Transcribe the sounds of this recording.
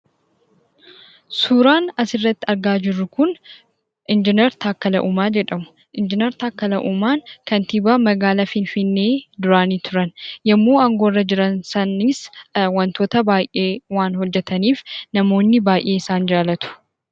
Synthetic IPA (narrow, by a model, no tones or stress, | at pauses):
suːɾaːnɐsɪrːɐt̪ːɪɐɾɡaːd͡ʒɪrːʊkʊn | ʔɪnd͡ʒɪnɛɾt̪ʰaːkːɐlɐʔuːmaːd͡ʒɛᶑɐmʊ̥ | ʔɪnd͡ʒɪnɛɾt̪aːkːɐlɐʔuːmaːnkɐnt̪ibaːmɐɡaːlafɪnfɪnːe̞ːd̪ʊɾaːniːt̪ʊɾɐnjɐmːo̞ːɐŋɡo̞ːrːɐd͡ʒɪɾɐnsɐnɪswɐnt̪o̞ːt̪ɐbaːjʔe̞ːwaːnhɔd͡ʒːɛt̪ɐniːfnɐmo̞ːnːɪbaːjʔeːɪsaːnd͡ʒaːlɐt̪ʊ̥